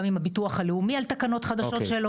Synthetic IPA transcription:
mimhabituɐχhaleumialt̪akano̞t̪χad̪aʃo̞tʃelo

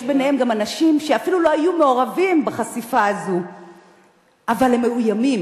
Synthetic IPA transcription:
jʃbenehe̞mɡamanaʃimʃeafilulo̞ajumeo̞ʁavimbaχasifaːzu | avalhemːeujamim

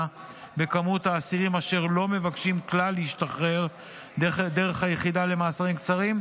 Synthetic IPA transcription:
be̞kamuthaːsiʁimaʃe̞ʁlo̞me̞vakʃimklalːeiʃtaχʁe̞ʁ | d̪e̞ʁe̞χhajeχid̪ale̞maːsaʁimkt͡saʁim

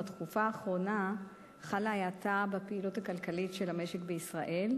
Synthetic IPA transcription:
tχufaːχʁo̞na | χalaajatabapeilutakalkalitʃelame̞ʃekbeisʁaʔe̞l

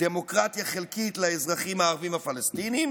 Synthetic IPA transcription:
d̥emo̞kʁat̪jaχe̞lkit̪laezʁaχimaːʁvimhafalest̪inim

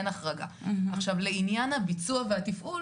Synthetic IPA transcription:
naχʁaɡa̰aχʃavleinjanhabit͡suaveat̪ifʔul

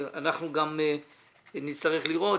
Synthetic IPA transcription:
a̰naχnuɡam | nist̪aʁeχliʁo̞

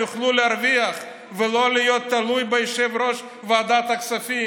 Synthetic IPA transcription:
uχluleaɾviaχ | velo̞lijo̞t̪ːalujbejeʃevɾo̞ʃ | vead̪at̪aksafi

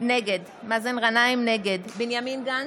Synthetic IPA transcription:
neɡed̪ | mazenʁanajmneɡed̪binjaminɡa

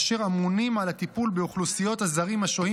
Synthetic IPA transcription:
ʃe̞ʁamunimalat̪ipulbeuχlusijo̞t̪hazaʁimhaʃohi

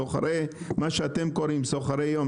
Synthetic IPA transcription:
oχa̰ɾej | maʃeat̪emkoɾimsoχaɾejom

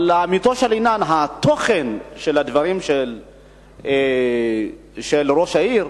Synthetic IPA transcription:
laːmit̪oʃelinanɦat̪o̞χenʃelad̪vaʁimʃel | e | ʃelʁo̞ʃaiʁ

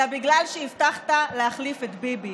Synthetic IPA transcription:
abiɡlalʃeift̪aχt̪alehaχlifet̪bibi

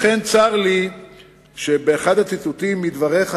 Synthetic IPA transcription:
ent͡saʁli | ʃebeːχad̪hat͡situt̪imːid̪vaʁe̞χ

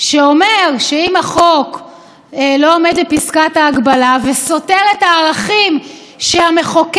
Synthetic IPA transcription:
ʃeo̞meʁʃeimaχo̞k | lo̞omed̪bepiskataːɡbalaveso̞te̞ʁetaːʁaχim | ʃeame̞χok

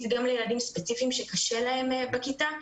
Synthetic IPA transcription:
t̪ɡamlejeladimspe̞t͡sifiːmʃe̞kaʃe̞lae̞mbekita

